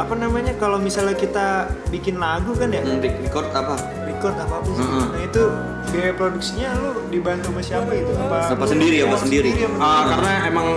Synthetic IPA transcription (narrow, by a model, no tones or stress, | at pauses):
apanamaɲakalomisalɲakit̪abikɪnlaɡukanjaɾiɾikɔrt̪apa | rikɔrt̪apapʊnsnait̪u | beepɾoduk̚siɲalʊdibant̪omasiapaɡit̪uapaapasəndiɾiapasəndiɾiiɾiapaəkaɾənaemaŋ